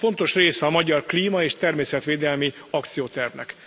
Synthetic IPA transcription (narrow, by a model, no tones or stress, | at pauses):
fo̞nt̪o̞ʃreːsɛɒmɒɟɒrkliːmɒeːʃt̪ɛrmeːsɛt̪ʋeːd̪ɛlmi | ɒk̚t̪sijoːt̪ɛrvnɛ̰k